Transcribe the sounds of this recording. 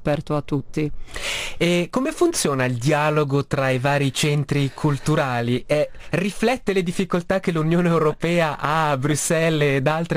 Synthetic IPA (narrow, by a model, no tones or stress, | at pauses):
pɛrt̪oat̪ːut̪ːi | ekːomefunt̪sjoːnaild̪jaːloɡot̪ɾaivaːɾit͡ʃɛnt̪ɾikʰult̪uɾaːliʔɛ | riflɛt̪ːeled̪ifːikolt̪ak̟ːelunjoːneewɾopɛːaʔabɾusːɛlːd̪alt̪ɾe